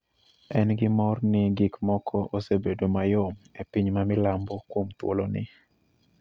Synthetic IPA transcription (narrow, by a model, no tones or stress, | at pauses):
ɛnɡɪmɔrnɪɡikmɔkʰɔʔosebedomajɔmepiɲmamɪlambɔkwomt̪wo̰lonɪ̰